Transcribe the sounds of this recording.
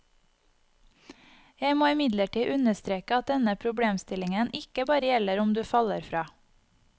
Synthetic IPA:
jæɪmoːɪmɪd̪ləʈiːʔʉnəst̪ɾeːkəɑt̪̚d̪ɛnəpʰɾʊbɽeːmst̪ɪlɪŋənɪkəbɑːɾəjɛləɾʊmd̪ʉːfɑləɾfɾɑː

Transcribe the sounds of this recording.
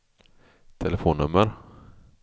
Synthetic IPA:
t̪ʰɛlɛfoːnːɵmːəɾ

